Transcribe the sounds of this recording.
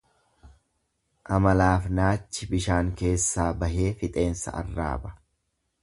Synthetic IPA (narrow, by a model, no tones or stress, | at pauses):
ʔɐmɐlaːfnaːt͡ʃːɪbɪʃaːŋke̞ːsːaːbɐɦe̞ːfɪt̪ʼe̞ːnsɐ̰ʔɐ̰rːa̰ːbɐ̥